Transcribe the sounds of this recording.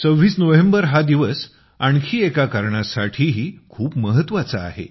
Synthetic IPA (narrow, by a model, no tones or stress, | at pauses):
t͡səʋːiːt͡snoʋembəɾɦad̪iʋəs | aɳkʰiːekakaɾɳasaʈʰiːɦiːkʰuːpməɦət̪ːʋat͡saa̰ɦḛ